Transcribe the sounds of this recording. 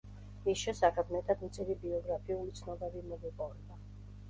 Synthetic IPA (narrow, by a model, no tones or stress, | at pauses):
misʃɛsakʰʼad̪mɛt̪ʰʼad̪mt̪sʼiɾibiɔɡɾapʰiulit̪sʰnɔbɛbimɔɡɛpʼɔvɛba